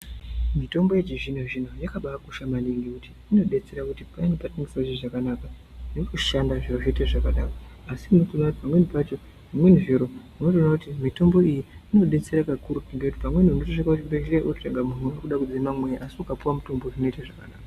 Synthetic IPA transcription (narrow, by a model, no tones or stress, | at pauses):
mito̞mbo̞je̞t͡ʃiʐinaʐin̤ojakaɓakuʃamaniŋɡikuti̥ːno̞ɗe̞t͡se̞ɾakutipainepateŋɡisauʐiʐakanaka | netuʃandaʐiroʐeiteʐakaɗaroasinotonatipamwe̞nipat͡ʃo̞ | ʐimwe̞niʐiɾo̞muno̞t̬onakutimito̞mbo̞ijiino̞ɗe̞t͡se̞ɾakakuɾukiŋɡekuti̥pamwe̞niunotoʂakakutibereʔotraɡamunuakuɗakud͡zimamwe̞jaʔasiukapuwamuto̞mboʐino̞itaʐakanaːka